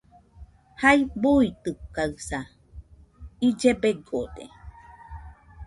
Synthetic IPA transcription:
hajbuit̪ɯkaɨsa | id͡ʒebeɡod̪ḛ

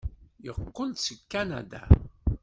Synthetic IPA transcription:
jəqːold̪səkːænæ̰d̪a̰

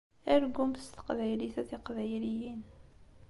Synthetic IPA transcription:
æɾɡumθst̪ə̥qvæjliθæθiqvæjlijin

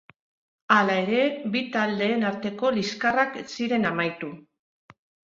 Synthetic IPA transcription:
alae̞ɾe̞bit̪ald̪e̞ːnaɾt̪e̞ko̞liskaraksiɾe̞namajt̪u

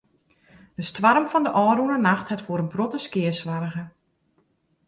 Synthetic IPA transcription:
d̥əstʋarəmfɔndəʔɔːɾunənaxthɛtfoːɾənbrotəskɪəsʋarəɣə

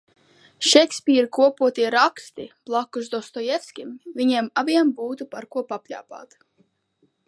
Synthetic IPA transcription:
ʃɛksʲpʲiːɾkuɔpuɔt̪iɛɾakst̪ib̥lˠakːusd̪ɔst̪ɔjɛt̪skʲimviɲimaviɛmbuːt̪upaɾkuɔpapʲʎʲa̰ːpa̰ːt̪

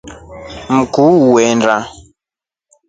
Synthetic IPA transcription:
m̩kuuwɛnda

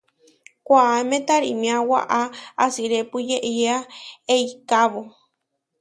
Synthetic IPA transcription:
kʷaːmẽt̪aɾḭmĩawa̰ʔaasiɾepujeʔieaeikaβo

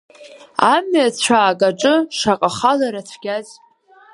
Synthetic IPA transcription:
amɥat͡ɕʷʰaːkʼaʈ͡ʂʼɨʂaqʼaχalaɾat͡sʷʰɡʲaz

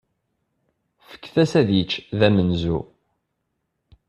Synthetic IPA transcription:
fə̥kːθæsæðjət͡ʃːðæmənzṵ

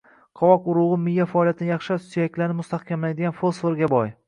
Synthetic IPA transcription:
qʰɒwɒkʊɾʊʁɨmɪjːafaɒlˠjat̪ʰɪnɪjɑχʃasijakʲlaɾnɪmʊst̪ahkʲʰamland̪ɪɡʲanfolˠsfoɾɡʲabɒj

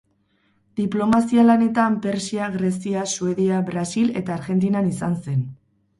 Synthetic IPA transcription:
d̪iplo̞masialane̞t̪ampe̞ɾsiaɣɾe̞siasue̞ðiabɾasile̞t̪aːɾɣe̞nt̪̬inanisanse̞n

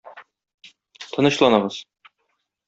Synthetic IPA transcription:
t̪ʰɤ̆nɤ̆ɕlˠɑnɤ̆ʁɤz̥

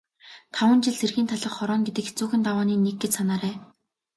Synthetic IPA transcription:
t̪ʰawə̆nt͡ɕɪɮserɣiːnt̪ʰaɮə̆χχɔɾɔːŋɡet̪ɘ̆kxet͡suːxɘ̆nt̪awaːniːneɡːĕt͡ɕsanaːɾæː

